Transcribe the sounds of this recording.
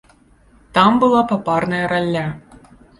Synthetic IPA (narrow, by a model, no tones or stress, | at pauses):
t̪ambɨlˠapaparnɐjɐɾalʲːa